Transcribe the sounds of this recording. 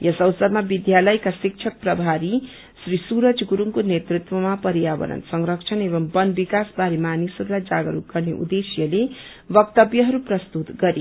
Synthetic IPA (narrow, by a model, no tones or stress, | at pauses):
jʌsʌwsʌɾmabid̪jalʌjkasik̚t͡ʃʰʌk̚prʌbʱaɾi | srisuɾʌt͡sʰɡuɾuŋkonet̪rit̪wʌmapʌɾijabʌ̰nʌ̰nsʌŋɾʌk̚t͡ʃʰʌnebʌmbʌnbikasbaɾemanisʌɾulajd͡zaɡʌɾukɡ̥ʌrneʔṵd̪esjʌle | bʌk̚t̪ʌbjʌɦʌɾuprʌst̪ut̪ɡʌɾi